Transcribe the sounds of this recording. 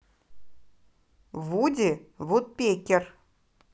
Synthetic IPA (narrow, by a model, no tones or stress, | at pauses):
vudʲiβut̪̚pʲekʲer